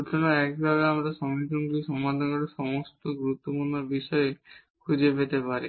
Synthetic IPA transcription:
ut̪ʰɔnaɛkbʱabeamɾaʃɔŋit̪ɔnɡuiʃɔmad̪ʱɔnoɾeʃɔmost̪oɡuɾut̪ːopuɾnɔbiʃɔe | kʰud͡ʑepet̪epaɾe

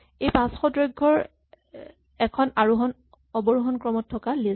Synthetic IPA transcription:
ejpãsxɔdɹojɡʱːɔɹ | ɛkʰɔnaɹuɦɔn | ɔbɔɹuɦɔnkɹɔmɔtʰːɔkali

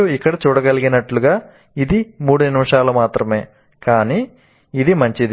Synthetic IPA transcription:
uikːɐɽɐt͡ʃuːɽɐɡɐliɡinɐʈluɡaː | id̪imuːɽuninimɐʂaːlɐmaːt̪ɾɐme̞ː | kaːniː | d̪imɐɲt͡ʃid̪i

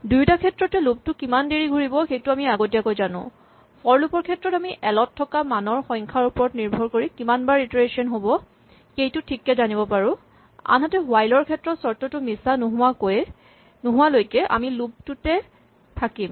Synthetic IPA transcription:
dujtakʰɛtɹɔtɛlub̚tʊkimandeɹiɡʱuɹibɔxejtʊamiaɡot̬iakojzanʊ̰̃ | pɔɹlupɔɹkʰɛtɹɔtamiʔɛlɔtʰːɔkamanɔɹxɔjŋkʰaɹupɔɹɔtniɹbʱɔɹkoɹikimanbaɹitɹesɔnɦobɔ | xejtʊtʰikːɛzanibɔpaɹʊ̃ | a̰nɦatɛɦʊajlɔɹkʰɛtɹɔtsɔɹtɔtʊmisanʊɦʊwakoj | nʊɦʊ̃walojkɛʔa̰milub̚tutɛ | tʰakim

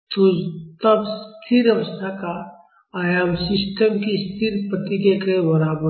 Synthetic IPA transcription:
t̪ut̪ɐbst̪ʰiɾɐʋəst̪ʰaka | aːjaːmsɪsʈəmkist̪ʰiɾpɾət̪ikekebɔɾaːbə

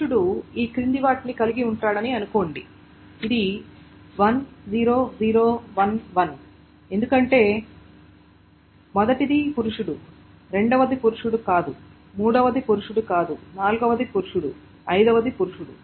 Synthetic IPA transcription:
uɽuiːkɾind̪iʋaːʈnikɐliɡiuɳʈaːɽɐniɐnuko̞ːɳɖiː | d̪i | ʋɐnziːɾo̞ːziːɾo̞ːʋɐnʋɐn | e̞nd̪ukɐɳʈe̞ː | mɔd̪ɐʈid̪ipuɾuʂuɽu | ɾeɳɖɐʋɐd̪ipuɾuʂuɽukaːd̪u | muːɽɐʋɐd̪ipuɾuʂuɽukaːd̪unaːluɡɐʋɐd̪ipuɾuʂuɽu | ɐjd̪ɐʋɐd̪ipuɾuʂuɽṵ

